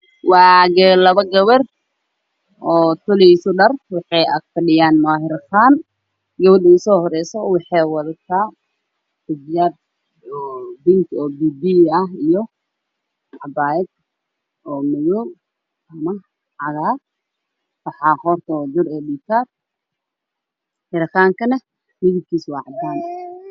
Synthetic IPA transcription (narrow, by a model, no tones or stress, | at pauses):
wɑːɡɛːlɐβɐɡɐwɐr | ʔɔːt̪ʰʊlisʊɖɐrwɑħɑjɐ̰ɡfɐɗɪjaːnmaːɦɪɾxaːn | ɡɐwɐdʊʊsɔːhɔɾɛjsɔwɑħɑjwɑðɐt̪ʰaː | bʊbjaːr | ɔbɪnt̪ɔːbiːbiɐɦijɔ | ʕɐbaːɛd | ɔːmɐjɔ | ʔɐmɐ | ʕɑɣaːr | wɑħɑːhɔrt̪ʰɔd͡ʒʊɾɔːdiːt̪ʰaːr | hɪɾɐxaːŋkʰɐnɐ | mɪðɪb̚kʰiːswɑːʕɑd̪aːn